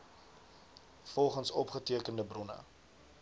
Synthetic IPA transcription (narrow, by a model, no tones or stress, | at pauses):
fɔlˠχənsɔpχətiəkəndəbrɔnə̰